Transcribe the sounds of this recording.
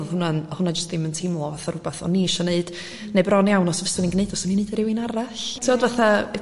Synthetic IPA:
ɔðhʊnanhʊnad͡ʒəstɪməntʰɪmlˠɔvaθaɾʊbaθɔ̰nːiʃɔneɨd̥ | nebrɔnjawnɔsɔvəstɔninɡneɨdɔsɔnineːdəɾɪwinaɾaɬtʰiɔdvaθa

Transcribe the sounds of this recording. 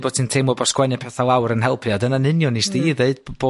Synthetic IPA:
boːd̥̚tʰɨntʰemɔbɔskwɛnjɛpʰɛθalˠawɾənɦɛlˠpʰjadənanɨnjɔnisdiːðeɨd̚b̥oː

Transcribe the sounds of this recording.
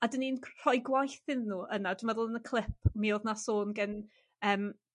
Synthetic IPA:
adəninkʰr̥ɔjɡwajθɪnnːuːʔənad̥wɪmɛðʊlˠənəkʰlˠɪp̚ʰmioðnasoːnɡən | əːm

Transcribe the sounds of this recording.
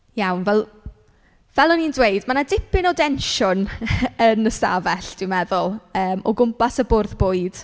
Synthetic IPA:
jawnvɛlˠ | vɛlˠənindwejdmanadɪpɪnɔdɛnʃʊnənəsa̰vɛɬd̥ɪwmɛðʊlˠəːmɔɡʊmpasəbʊːrðboːɨd̥

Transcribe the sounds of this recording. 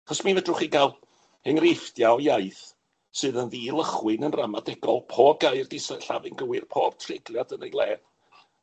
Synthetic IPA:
aχɔsmivədrʊχiɡalˠ | hɛŋrɪftjaɔjajθ | sɨːðənðiːlˠəχwɨnənramadɛɡɔlˠpʰoːb̚ɡajrdisaɬavɪnɡəwɪrpʰɔːb̥̚tʰrɪɡlˠjadənejlˠɛːn

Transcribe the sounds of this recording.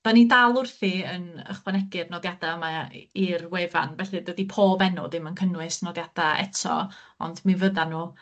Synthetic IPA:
d̥anidalˠʊrθiənə̰χwanɛɡɨrnɔdjad̥aəmairweːva̰nvɛɬɨdədipʰoːbɛnʊ̰ðɪmənkʰənwɪsnɔdjad̥aɛ̰tʰɔ̰ | ɔ̰ndmivəðanuː

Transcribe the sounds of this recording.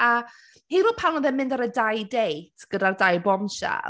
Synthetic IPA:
a | hiːɾuːpʰawnɔðɛnmɪ̃ndaɾədajdejtʰɡ̥ədardajbɔmʃa̰

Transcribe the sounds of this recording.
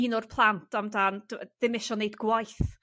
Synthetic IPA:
inʊrpʰlˠantʰamdand̥ð̥ɪmɪʃɔnːejdɡwajθ

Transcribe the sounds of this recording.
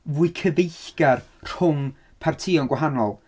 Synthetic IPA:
vʊɨkʰəðejθɡ̥ar | r̥hʊm | pʰartʰiːɔnɡwaɦanɔlˠ

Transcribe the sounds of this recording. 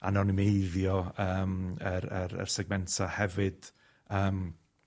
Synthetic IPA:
a̰nɔnɪmejðjɔəːməɾəɾə̰rsɛɡ̚mɛntʰahɛvɨd̥ | əːm

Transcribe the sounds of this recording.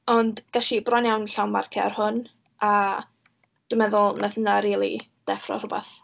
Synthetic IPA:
ɔndɡ̥aʃibrɔnjawnɬawnma̰rkʰa̰arhʊn | ʔa | d̥wɪmɛðʊlˠnaθənaɾiːlˠḭd̥ɛfrɔ̰rʊbɛ̰θ

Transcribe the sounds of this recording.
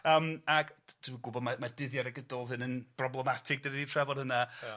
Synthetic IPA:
əːmaɡtʰɪmɡʊbɔdmamadɪðjaɾaɡədɔlˠðɨnənb̥rɔblˠɛmatʰɪɡ̚d̥ənəditʰrɛvɔdhəna

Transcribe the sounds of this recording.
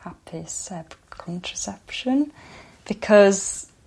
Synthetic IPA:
hapʰisɛbkʰɒ̃ntʰɹ̥əsɛpʃə̃n | b̥ɪkʰɒz̥

